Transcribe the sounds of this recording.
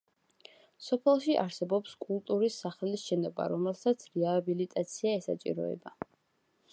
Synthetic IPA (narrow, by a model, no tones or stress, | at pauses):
sɔpʰɛlˠʃiʔa̰ɾsɛbɔpskʼulˠt̪ʼuɾisːaχɛlisʃɛnɔba̰ɾɔmɛlˠsat̪sʰɾɛabilit̪ʼat̪sʰiaɛsa̰t͡ʃʼḭɾɔ̰ɛ̰ba